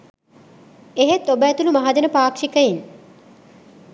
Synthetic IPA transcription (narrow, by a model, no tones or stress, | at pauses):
eɦet̪obæːt̪ulumɐɦad͡ʒənəpaːkʂikəjin